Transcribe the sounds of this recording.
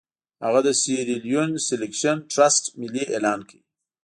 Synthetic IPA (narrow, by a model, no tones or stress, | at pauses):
haɣad̪əsiɾiljunselekʃanʈɾasʈmɪliʔelɑnkawi